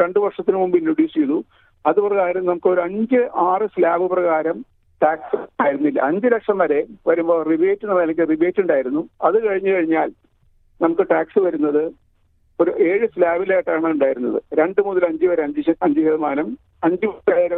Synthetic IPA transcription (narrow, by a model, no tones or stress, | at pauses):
ɾe̞ɳɖɨʋɐrʂɐt̪ːinɨmumbinːuɽisijðu | ɐðuprɐɣaːɾɐmnɐmukːɨo̞ɾuɐɲd͡ʑɨʔaːrɨslaːbɨprɐɣaːɾɐm | ʈaːksɨaːjiɾunːilːɐ̰ɐɲd͡ʑɨlɐkʂɐmʋɐɾe̞ʋɐɾumbo̞ːriʋeːtːɨnɐmɐlɐŋʲkːɨriʋeːtːuɳɖaːjiɾunːuɐðɨkɐɻiɲːɨkɐɻiɲːaːl | nɐmukːɨʈaːksɨʋɐɾunːɐðɨ | o̞ɾuʔe̞ːɻɨslaːbilaːjiʈːaːɳɐuɳɖaːjiɾunːɐðɨ̰ɾe̞ɳɖɨmuðɐlɐɲd͡ʑɨʋɐɾeɐd͡ʑɐɲd͡ʑɨɦeðɐmaːnɐm | ɐɲd͡ʑɨɐeːɾɐ